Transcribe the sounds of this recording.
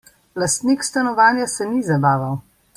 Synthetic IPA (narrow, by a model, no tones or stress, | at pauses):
last̪nikst̪anɔʋaːnjasɛnizabaːʋaw